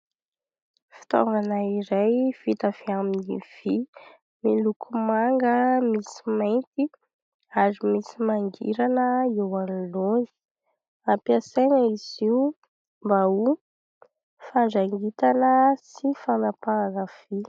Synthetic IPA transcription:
fi̥t̪ɔ̰ŋɡanaiɾajv̥it̪av̥iaminiv̥i | milukʰumaŋɡəmisi̥majnt̪i | aɾimisimaŋɡḭɾanəiwanlonzi̥ | apiasajnəiz̥iu | mbau | faɳd͡ʒaŋɡit̪anəsifanapaanəv̥i

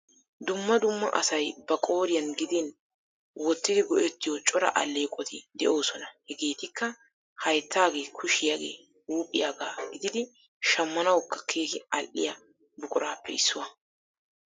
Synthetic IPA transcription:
d̪ʊmːɐd̪ʊmːɐ̰ʔɐ̰sɐjbɐkʼo̞ːɾɪjɐnɡɪd̪ɪn | wɔt̪ːɪd̪ɪɡɔʔɛt̪ːɪjɔt͡ʃʼɔɾɐ̰ʔɐlːeːkʼɔt̪ʰɪd̪ɛʔo̞ːsɔnɐhɛɡe̞ːt̪ɪkːɐ | hɐjt̪ːaːɡe̞ːkʰʊʃɪjaːɡeː | uːpʼːɪjaːɡaːɡɪd̪ɪd̪ɪ | ʃɐmːɐnɐwɔkːɐ̥kʰe̞ːkɪɐlʔɪ̰jɐ | bʊkʼʊɾaːpːɛɪsːʊwɐ

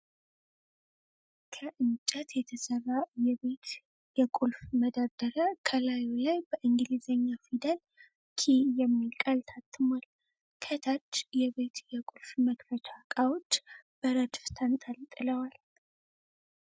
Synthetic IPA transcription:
kʰəʔɨnt͡ʃʼət̪jɛt̪ʰəsərːajɛβe̞t̪ | jɛkʼulfməd̪ad̪̥əɾəkʰəlajolajbəʔɨŋɡɨlizəɲːafid̪əl | kʰijɛmːilkʼalt̪ʰat̪ʰːɨmwal | kʰət̪ʰat͡ʃːjɛβet̪jɛkʼulfməkfət͡ʃʰʼakʼawo̞t͡ʃːb̥əɾəd̪ft̪ʰənt̪ʼəlt̪ʼɨləwal

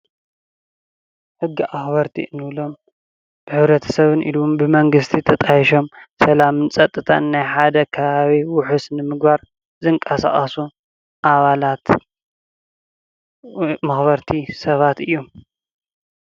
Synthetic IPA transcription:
ħɨɡːiʔaxbɐɾt̪ʰiʔɨnːɨβlo̞m | b̥ɨħɨβɾɐt̪ʰɐ̥sɐβɨnʔḭlumbɨmɐŋɡɨst̪ʰit̪ʰɐt̪ʼajiʃo̞msɐlamɨnt͡sʼɐt̪ʼːɨt̪ʰanːajħad̪ɐkʰɐβaβiwʊħusnɨmɨɡbaɾ | zɨŋkʼɐsa̰χʼɐsu | ʔaβalat̪ | mɐxβɐɾt̪ʰisɐβat̪ɨjːom

